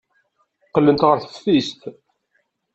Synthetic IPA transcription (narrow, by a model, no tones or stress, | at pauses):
qːəlːənt̪ʁəɾθə̥fist̪